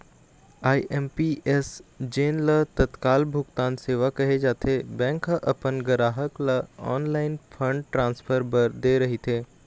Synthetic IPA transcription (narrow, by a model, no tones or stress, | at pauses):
aːiʔɛmpiʔesd͡ʒeːnlət̪ɐt̪kaːlbʱʊkt̪aːnseːʋakɐɦed͡ʒaːt̪ʰebɛ̃ːŋkɦəʔɐpənɡɐɾaːɦəklɐɔ̰ːnlaːɪnpʰə̃ɳɖ̚ʈɾãːnspʰəɾbəɾd̪eːɾɐɦit̪ʰeː